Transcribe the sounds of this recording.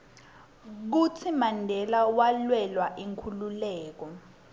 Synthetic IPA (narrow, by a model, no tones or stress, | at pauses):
k̬ut͡sʰimandʱɛlawalwɛlwaʔiŋkʰululɛːk̬ɔ